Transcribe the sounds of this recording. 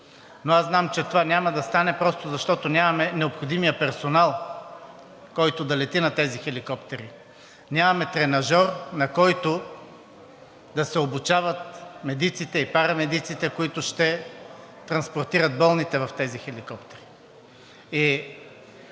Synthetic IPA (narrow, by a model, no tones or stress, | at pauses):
noaznamt͡ʃɛt̪ovanʲamɐd̪ɐst̪anɛpɾɔst̪ʊzɐʃt̪ɔt̪onʲamɐmɛnɛopxod̪imijəpɛɾsonalˠ | kɔjt̪od̪ɐlɛt̪inɐt̪ɛzixɛlikɔpt̪ɛɾi | nʲamɐmɛt̪ɾɛnɐʒɔɾnɐkɔjt̪o | d̪ɐsɛobut͡ʃavɐt̪̚mɛd̪it̪sit̪ɛipaɾɐmɛd̪it̪sit̪ɛkoit̪ʊʃt̪ɛ | t̪ɾɐnspoɾt̪iɾət̪̚bɔlˠnit̪ɛvɐft̪ɛzixɛlikɔpt̪ɛɾi | i